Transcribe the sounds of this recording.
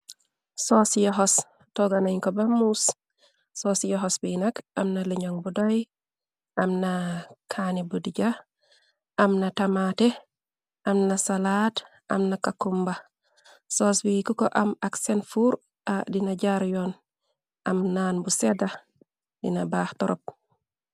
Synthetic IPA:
sosjoɦɔs | toɡanaiŋkobamus | soːsjoɦosbinɐkɐmnaliɲoŋbudoj | ʔɐmnakʰanibudiɟa | ʔamnatamate | ʔamnasalat | a̰mnakakumba | soːsbikuko̰ʔamaksenfuɾ | adinaɟaɾjon | ʔamnaːnbuseda | dḭnabaːhtɔɾo̰p̚

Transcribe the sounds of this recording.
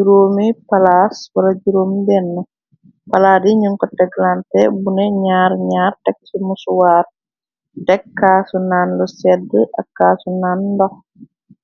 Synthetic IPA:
d͡ʒuɾoːmipalaswɐlɐd͡ʒuɾoːmdɛnːə | pɐlaːdiɲuŋkɔtɛɡlantɛbunɛɲaːɾɲaːrtɛk̚sumusuwaːr | dɛkːaːsunaːnlɔsɛdːəʔɐkːaːsunaːndɔx

